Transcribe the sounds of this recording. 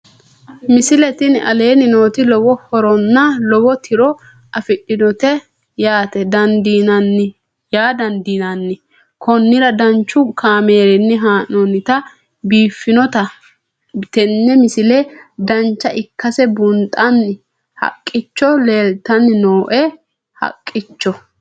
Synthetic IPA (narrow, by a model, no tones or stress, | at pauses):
mɪsɪlɛt̪ɪnʔɐ̰le̞ːnɪnoːt̪ɪlɔwɔhɔɾɔnːɐlɔbɔt̪ʰɪɾɔ | ʔɐfɪɗɪnɔt̪ɛ | jaːt̪ɛd̪ɐnd̪inɐnːɪ | jaːd̪ɐnd̪iːnɐnːɪ | kʰɔnːɪɾɐd̪ɐnt͡ʃːʊkʰaːme̞ːɾɛnːɪɦaːnɔnːɪt̪ɐ | biːfːɪnɔt̪ɐ | t̪ɛnːɛmɪsɪlɛd̪ɐnt͡ʃːɐʔɪkːɐsɛbʊnt̪ʼɐnːɪ | hɐ̰kʼːɪt͡ʃːɔleːlt̪ɐnːɪnoːʔɛ | hɐ̰kʼːɪt͡ʃːɔ